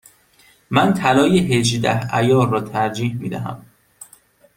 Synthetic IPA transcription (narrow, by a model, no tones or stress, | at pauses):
mænt̪ʰælɒːjeɦed͡ʒd̪æ̰hæjɒːɒːt̪ʰæɾd͡ʒiːhmiːd̪æ̰ɦæ̰m